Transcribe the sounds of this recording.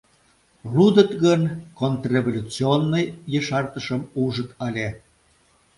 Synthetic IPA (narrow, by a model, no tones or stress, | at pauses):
lud̪ət̪ɣənkont̪rʲevolʲut͡sionːəjːəʃɑrt̪əʃəmuʒət̪ɑlʲe